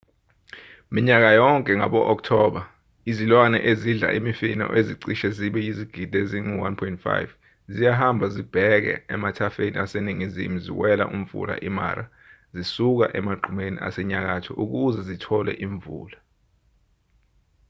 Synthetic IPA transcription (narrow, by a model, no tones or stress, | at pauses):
miɲak̬ajɔŋkʼɛŋaɓɔʔɔk̚tʰɔɓa | izilwanɛ̰ʔeziɮa̰ʔimifinɔ̰ʔeziǀiʃɛziɓɛjiziɡ̥ʱid̥ʱeziŋiwanpʰɔintfa̰jv | zijaɦambʱazib̥ʱɛk̬ɛ̰ɛmatʰafenḭaseniŋizḭmuzḭwɛla̰ʔum̩fṵla̰ʔima̰ɾa | zisuk̬a̰ʔɛmaɡ͡ǃʱumenḭʔa̰sɛɲak̬atʰɔʔuk̬uzɛzitʰɔlɛ̰ʔiɱvṵːla